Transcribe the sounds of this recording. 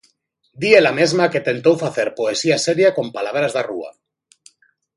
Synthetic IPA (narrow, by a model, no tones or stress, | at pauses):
d̪ielame̞zmaket̪e̞nt̪owfaθe̞ɾpoesiaseɾjako̞mpalaβɾazðarṵa̰